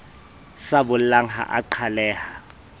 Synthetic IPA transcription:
sabʊlaŋha̰ʔa̰ǃʰalɛːha

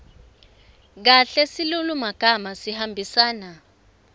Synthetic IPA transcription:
k̬aɬɛsilulumaɡ̥ʱamasihambʱisaːna

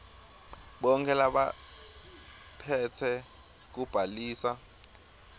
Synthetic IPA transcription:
ɓɔŋkʰʼɛlaɓa̰ | pʰɛtʰɛ | k̬ub̥ʱaliːsa

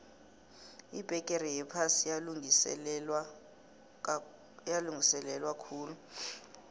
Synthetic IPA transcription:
ib̥ʱɛkʼeɾijɛpʰasialuŋsɛ | jaluŋɡʱisɛlɛlwakʰuːlu

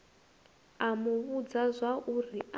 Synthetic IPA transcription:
amuβud͡zazʷaʔuri

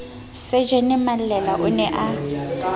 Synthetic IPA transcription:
sed͡ʒɛnɪmalɛlaʔʊnɛʔa

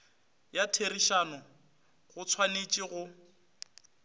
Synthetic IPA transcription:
jatʰeriʃanʊ | ɣʊt͡sʰwanet͡ʃʼiɣʊ

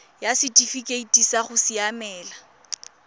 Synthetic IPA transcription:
jasɪtʼifikʼeitʼisaχʊsiamɛːla

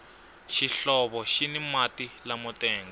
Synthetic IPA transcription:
ʃiɬɔβɔʃinimatilamɔtɛːŋɡɔ

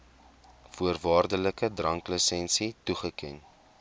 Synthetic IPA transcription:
fuərvɑːrdələkədrɐŋkləsɛnsituχəkɛn

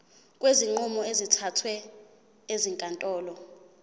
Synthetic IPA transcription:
kʼweziŋ͡ǃumɔezitʰatʰwɛ | eziŋkʼantʼɔːlɔ

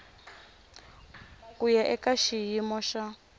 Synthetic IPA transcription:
kujaʔɛkaʃijimɔʃa

